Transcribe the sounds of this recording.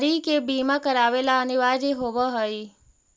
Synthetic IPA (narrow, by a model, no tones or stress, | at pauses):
ɾikebimãkəɾaʋelaəniʋaɾiɦoʋəɦoi